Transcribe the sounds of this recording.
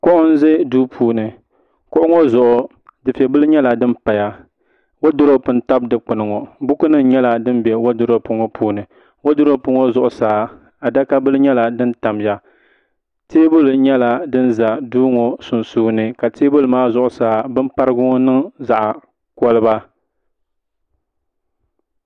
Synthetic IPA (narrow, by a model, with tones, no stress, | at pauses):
kʊ˦ʔʊ˦n̩˦ze˦duː˦pʰuː˦nɨ˨ | kʊ˦ʔʊ˦ŋo˦zʊ˨ʔʊ˨ | dɨ˨fɛ˨bɨ˦lɨ˦ɲɛ˦la˨dɨ˦m˦pa˨ja˨ | wo˦dʊ˦ɾo˦pɨ˨n˦ta˦b̚dɨ˨k͡pɨ˨nɨ˨ŋo˨bʊ˦kʊ˦nɨ˦ŋɲɛ˦la˨dɨ˦m˦bɛ˨wo˦dʊ˦ɾo˦pʊ˦ŋo˦pʰuː˦nɨ˨ | wo˦dʊ˦ɾo˦pʊ˦ŋo˦zʊ˨ʔʊ˨saː˨˦ | a˨da˦ka˦bɨ˦lɨ˦ɲɛ˦la˨dɨ˦nta˨m˨ja˨ | teː˦bʊ˦lɲɛ˦la˨dɨ˦n˦za˨duː˦ŋo˨sʊ˨nsuː˦nɨ˨ka˨teː˦bʊ˦lmaː˦zʊ˨ʔʊ˨saː˦bɨ˦m˦pa˦ɾɨ˦ɡʊ˦ŋ˦nɨ˦ŋza˨ʔa˨ | kɔ˦lɨ˦ba˦